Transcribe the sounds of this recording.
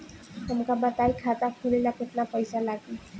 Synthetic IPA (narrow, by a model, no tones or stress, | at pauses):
t̪əmkabət̪ajkʰat̪akʰulelakeʈnapəjsalaɡe